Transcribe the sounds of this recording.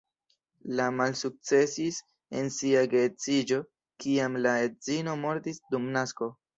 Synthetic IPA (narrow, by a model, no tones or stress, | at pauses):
lamalsuk̚t͡se̞sis | e̞̰nsiaɡet͡sid͡ʒo̞ | kiamlaedzino̞mo̞ɾtisdumnasko̞